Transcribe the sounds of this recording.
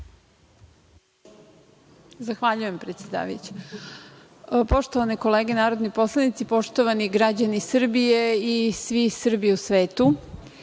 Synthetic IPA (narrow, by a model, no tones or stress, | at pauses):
zaxʋaʎuje̞mpɾet̪sʲjed̪a̰ːʋa̰jṵt͡ɕe̥ | po̞ʃt̪oʋanekoleːɡenaːɾo̞d̪nipo̞slˠanit̪sipo̞ʃt̪oʋaniɡɾad͡ʑanisr̩bijeisʋisr̩bijusʋeːt̪u